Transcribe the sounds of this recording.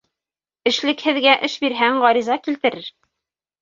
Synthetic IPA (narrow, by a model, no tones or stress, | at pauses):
ɘ̆ʃlɘ̆khɘ̆ðɡæʔɘʃbiɾɦæŋʁɑɾizɑkilt̪ɘ̆ɾɘɾ